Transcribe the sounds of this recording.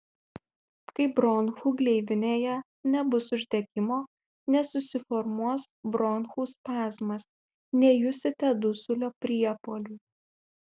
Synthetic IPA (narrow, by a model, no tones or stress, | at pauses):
kɐɪbɾɔnxuːɡlʲɛɪʋʲɪnʲeːjɛ | nʲɛbʊsʊʒʲd̪ʲɛkʲɪmoː | nʲɛsʊsʲɪfɔɾmuɔsbɾɔːnxuːspɑːzmɐs | nʲɛjʊsʲɪt̪ʲɛd̪ʊsʊlʲoːpʲɾʲiɛpoːlʲuː